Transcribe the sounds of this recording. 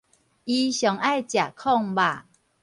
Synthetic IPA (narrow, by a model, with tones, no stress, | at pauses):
i˧ɕjɔ˨˩ŋa˥˨jt͡ɕja˨˩kʰɔ˥˧ŋba˨˩˨